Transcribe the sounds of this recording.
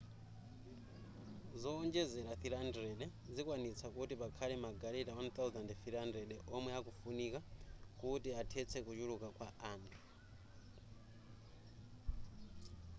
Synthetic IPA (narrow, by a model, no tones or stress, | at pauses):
zɔːnd͡ʒɛzɛlaθilandrɛɗɛ | d͡zikwanit͡sʰakutipakʰalɛmaɡaɾitawant̪awzandθilandrɛɗɛʔɔmwɛakufunikakutiatʰɛt͡sʰɛkut͡ʃulukakwaaːntʰu̥